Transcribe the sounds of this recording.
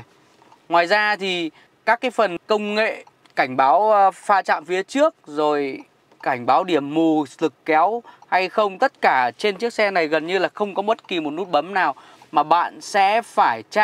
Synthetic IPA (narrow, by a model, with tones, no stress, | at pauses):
ŋwaː˨˩jzaː˧t̪ʰi˨˩ | kaː˦˥kːaː˨˦jfə˨˩nkə˧wŋ͡mŋḛ˧˨ | ka˧˩jŋ̟ɓaː˨˦wfaː˧t͡ɕa̰ː˧˨mfi˨˦ət͡ɕɨ˦˥ək̚zo˨˩j | ka˧˩jŋ̟ɓaː˨˦wɗi˧˩əmːu˨˧˩zɨ˨˩kːɛ˨˦wha˧jxə˧wŋ͡mt̪ə˦˥t̚kaː˧˩t͡ɕe˧nt͡ɕɨ˦˥ək̚sɛ˧na˨˩jɣə˨˩nɲɨ˧laː˨˩xə˧wŋ͡mkɔ˨˦ɓə˦˥t̚ki˨˩mo˨˩t̚nu˦˥t̚ɓə˨˦mnaː˨˩w | maː˨˩ɓa̰ː˧˨nsɛ̰˧˥faː˧˩jt͡ɕa˧